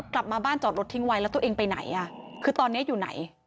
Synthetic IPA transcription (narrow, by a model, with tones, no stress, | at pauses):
kla˨˩p̚maː˧baː˥˩nt͡ɕɔː˨˩ɾo˦˥t̪ʰi˦˥ŋwa˧jlɛː˦˥wt̪u˧˩ʔeː˧ŋpa˧jna̰˩˦jʔa˧˩kʰɯː˧t̪ɔː˧nːi˦˥ɐ˨juː˨˩na̰˩˦j